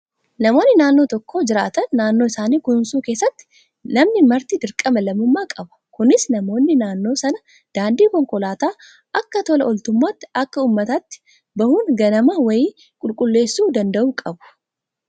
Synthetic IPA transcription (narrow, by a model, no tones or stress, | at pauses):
nɐmo̞ːnːɪnaːnːo̞ːt̪ɔkːo̞ːd͡ʒɪɾaːt̪ɐnːaːnːoɪsaːniːkʊnsuːke̞ːsːɐt̪ːɪ̥ | nɐmnɪmɐɾt̪iːd̪ɪɾkʼɐmɛlɐmʊmːaːkʼɐbɐ̥kʊnɪsnɐmo̞ːnːɪnaːnːo̞ːsɐnɐ | d̪̥aːnd̪iːkɔŋkʼɔlaːt̪aː | ʔɐkːɐt̪ɔlɐʔɔlt̪ʊmːaːt̪ːɪɐkːɐuːmːɐt̪aːt̪ːɪ̥ | bɐhuːŋɡɐnɐmaːwɐjiː | kʼʊlkʼʊlːe̞ːsːuːd̪ɐnd̪ɐʔuːkʼɐbʊ̥